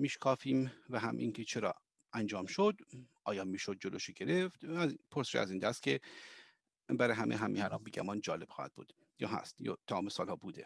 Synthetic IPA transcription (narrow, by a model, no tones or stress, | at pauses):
miːʃkʰɒːfiːmvæɦæ̰mʔḭːŋcʰe̞t͡ʃʰe̞ɾɒ̰ː | ænd͡ʒɒːmʃod̪ʔɒːjɒːmiːʃod̪̚d͡ʒoloʃoɟe̞ɾe̞ft̪pʰoɾseʃæ̰ziːnd̪æst̪̚cʲʰe̞ | bæɾɒːjɦæmʔḛɦæmḭhæɾɒːmbeɟæ̰mɒnd͡ʒɒːle̞b̥xɒːhæ̰d̪̚bṵːd̪̥ | jɒ̰ːɦæ̰st̪jɒ̰ːt̪ʰæmɒːmesɒːlhɒːbuːd̪e̞